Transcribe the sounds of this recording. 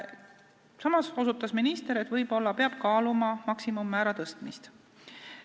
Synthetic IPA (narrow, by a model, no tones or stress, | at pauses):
sɑmɑso̞sut̪ːˑɑsminist̪eɾet̪ːvɤjb̥o̞lːɑpeɑb̥kɑːlumɑmɑksimumːæːɾɑt̪ɤst̪mist̪